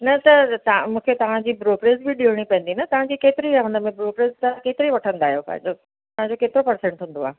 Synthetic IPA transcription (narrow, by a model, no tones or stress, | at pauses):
nɐt̪ɐt̪ɐmũːkʰet̪ɐʋ̤ãd͡ʑiːbɾoːpɾeːzbɪɗiɽ̃ipɐ̃ɦə̃n̆d̪inɐt̪ɐʋ̤ãd͡ʑiːkeːt̪ɪɾiaɦũnd̪əmẽbɾoːpɾeːzt̪ɐkeːt̪ɪɾiʋɐʈʰə̃nd̪aːɦijopɐ̰̃ɦɪ̃ɲd͡ʑo | ɐʋãɲd͡ʑokeːt̪ɪɾopɐɾsẽɳʈɦũːn̆d̪oaːɦe